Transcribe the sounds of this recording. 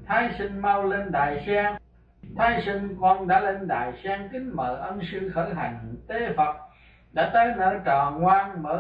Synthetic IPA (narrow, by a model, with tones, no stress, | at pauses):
t̪ʰaː˨˦jsi˧ŋ̟ma˧wle˧nɗa̰ː˨jsɛː˧ŋ | t̪ʰaː˨˦jsi˧ŋkɔ˧nɗa̰ː˧˥le˧nɗa̰ː˨˩jsɛː˧ŋk̪ï˨˦ŋməː˨˩ʔə˧nsɨ˧xəː˧˩jɦa̰˨˩jŋ̟t̪e˨˦fə˨˩t̚ | ɗa̰ː˧˥t̪aː˨˦jnə̰ː˧˩t͡ɕaː˨˩ŋŋwaː˧nməː˧˩˦